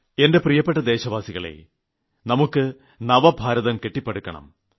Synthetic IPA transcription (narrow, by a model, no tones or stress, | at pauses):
e̞nde̞prijɐpːeʈːɐd̪e̞ːɕɐʋaːsiɣɐɭḛ | nɐmukːɨ | nɐʋɐbʱaːɾɐðɐmke̞ʈːipːeɽukːɐɳɐ̰m